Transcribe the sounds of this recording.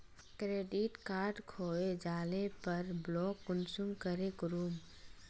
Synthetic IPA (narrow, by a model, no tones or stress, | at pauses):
kɾeːɖɪʈkaːɾɖkʰoːed͡ʒaːlepəɾblɔːkːʊnsumkəɾekɾuːm